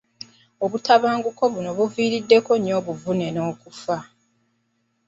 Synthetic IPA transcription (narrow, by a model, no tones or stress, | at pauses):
o̞βutaβaːŋɡuko̞βuno̞βuviːɾidːe̞ko̞ɲo̞ːβuvune̞no̞ːkufa